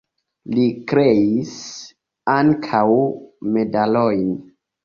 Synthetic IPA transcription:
likɾe̞is | aŋkʰawme̞dalojn

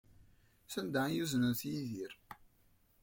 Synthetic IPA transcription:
θənd̪ajuznənθjiðiɾ

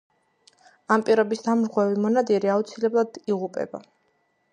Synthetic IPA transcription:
ampʼiɾɔbisd̪amɾʁwɛvimɔnad̪iɾiaut̪sʰilɛblˠad̪̥iʁupʼɛ̰ba

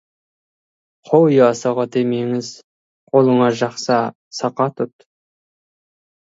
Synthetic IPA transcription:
qʰowjɑsɑʁɑd̪emeŋɪz | qʰolˠəɴɑʒɑχsɑ | sɑqɑt̪ʰʊt̪

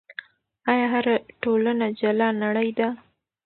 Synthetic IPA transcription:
ɑjɑɦaɾaʈolanad͡ʒalɑnaɽəjd̪a

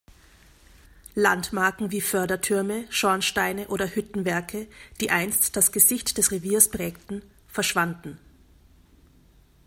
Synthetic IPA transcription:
lantmaɐkŋ̩viːfœɐdɐtʰʏɐməʃɔɐnʃtaɪnəʔoːɾɐhʏtn̩vɛɐkʰəd̥iːʔaɪnstd̥asɡ̥əzɪçtd̥ɛsʁeviːɐspʁ̥ɛːktn̩ | fɛɐʃv̥andn̩

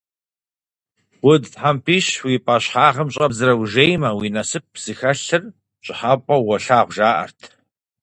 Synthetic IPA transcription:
wʊdtħampʰiːɕwipʼaːɕħaːʁəmɕʼɐbzɨɾɐwʒejmɐwiːnɐsɨp̚z̥ɨxɐɬɨr | ɕʼɪħaːpʷʼɔwɔɬaːʁʷʒaːʔɐ̰rtʰ

